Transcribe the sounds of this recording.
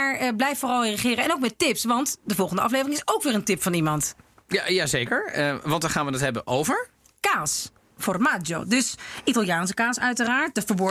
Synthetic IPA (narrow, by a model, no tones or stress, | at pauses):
aːɹəblɛjffʊːrɑlˠreəχɪːɾəɛnowkmɛtɪpsʋɑntdəvɔlˠχəndəɑflejvərɪŋɪsowkʋɪːrəntɪpfɑnimɑntjajazejkəɹʋɑ̃ntdɑχaːnʋənətɦɛbənʔowvəɹ | kaːs | fɔrmaːd͡ʒjo̰dɵsʔitɑlˠjaːns̬ə̥kaːsœɥtəraːɹt̚dəfəɹbɔ